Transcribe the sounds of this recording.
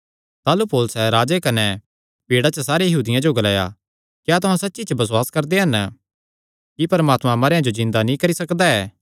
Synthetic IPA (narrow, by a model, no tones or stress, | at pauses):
t̪aːlupoːlʊsɛɾaːd͡ʒekɐnɛ | piːɽat͡ʃəsaːɾejɐɦuːd̪ɪjãd͡ʒoɡɐla̰ːja̰ | kjaːt̪ʊɦãsɐtːʃit͡ʃəbɐswaːskɐɾd̪eɦɐn | kipɐɾəmaːt̪mãmɐɾeːãd͡ʒod͡ʒɪ̃nd̪anĩkɐɾisɐkd̪aɛː